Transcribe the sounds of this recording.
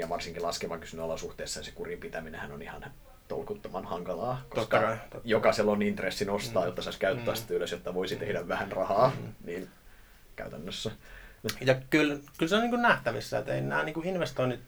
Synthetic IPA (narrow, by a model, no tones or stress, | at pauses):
jɑʋɑrsiŋkilɑskeʋɑŋky̥synːøɑlɑsuht̪eːsːɑnise̥kurimpit̪æminḛ̃hænonihɑn | t̪o̰lkut̪ːomɑnhɑŋkɑlɑːkoskkɑɑjokɑselːonint̪resːinost̪ɑːjot̪ːɑsɑiskæyt̪ːæːsit̪æyløsjot̪ːɑʋoisit̪ehdæʋʋæhænrɑhɑːniːn | kæ̰yt̪ænːøsːæ | jɑkylkylseoniːkunnæht̪æʋisːæḛt̪ḛimnæ̰ːniːŋkuinʋest̪oinːit̪